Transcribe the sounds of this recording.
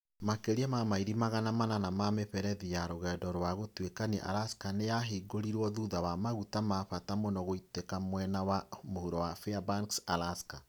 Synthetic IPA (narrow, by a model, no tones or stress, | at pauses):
makeɾiɛmamaiɾimaɣanamananamameɸɛɾɛðijaɾoɣɛːdɔɾwaɣotwekanḛʔa̰laskanejaɦeɡoɾiɾwɔðuðawamaɣutamaɸatamonɔɣoitekamwɛnawamohuɾowafeabaŋksalaska